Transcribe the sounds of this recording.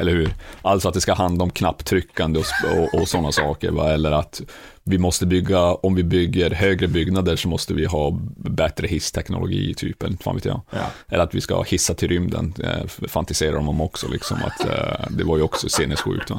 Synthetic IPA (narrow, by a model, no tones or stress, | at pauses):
ɛlːəɾhʉːɾʔalt̪sɔat̪d̪ɛskahand̪aɔmkʰnapːt̪ʰɾʏkːand̪əɔsɔʔɔsɔnːasɑːkə̰ɾva̰ɛlːəɾat̪ | vɪmɔst̪əbʏɡːaɔmvɪbʏɡːəɾɦøːɡɾəbʏɡnad̪əʂɔmɔst̪əvɪɦɑːbɛt̪ɾəhɪst̪ʰɛknʊ̰lʊɡḭːt̪ʰyːpɛlːfa̰ːvḛːt̪jɑ̰ːɛlːəɾat̪vɪska̰hɪsːat̪ʰɪlɾʏmd̪ə̰nfant̪ɪseːɾa̰d̪ɔmd̪ɔmɔksɔlʔɪksɔ̰ma̰t̪d̪ɛvaɾjɵɔksɔseːnːəst̪ɧʉ̟ːk̚t̪va̰